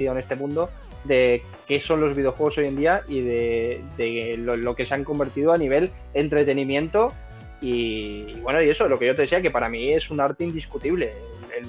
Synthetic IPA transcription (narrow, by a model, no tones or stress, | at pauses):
iðone̞st̪e̞mũnd̪o̞ | ðe̞ | ke̞so̞nlo̞zβið̞eo̞xwe̞ɣoso̞je̞nd̪iaʔiðe̞ðe̞lolo̞ke̞seaŋko̞mbe̞ɾt̪iðoaniβ̞e̞l | e̞nt̪ɾe̞t̪e̞nĩmjẽ̞nt̪o̞ | iːβwe̞noie̞so̞lo̞ke̞ʝo̞t̪e̞ðeθiake̞paɾamie̞sunaɾt̪e̞ind̪iskut̪iβle̞elel